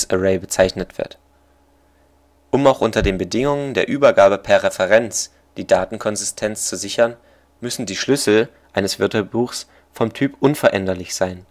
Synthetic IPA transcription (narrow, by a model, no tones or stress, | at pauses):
sʔəʁeɪbət͡saɪçnətv̥ɪ̰ɐt | ʔʊmaʊxʔʊntɐdeːnbədɪŋʊŋəndeːɐʔyːbɐɡaːbəpʰɛːɐʁɛfɛʁɛnt͡s | d̥iːdaːtn̩kʰɔnzɪstʰɛnt͡st͡suzɪçɐn | mʏsn̩diːʃlʏsl̩ | ʔaɪnəsv̥ɪɐtbuːxs | fɔmtʰyːpʔʊnfɛɐʔɛndɐlɪçz̥aɪn